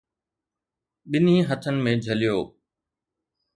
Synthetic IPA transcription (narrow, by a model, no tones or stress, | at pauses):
ɓɪnĩːɦət̪ʰənɪ̆mẽːd͡ʑʱəlɪjoː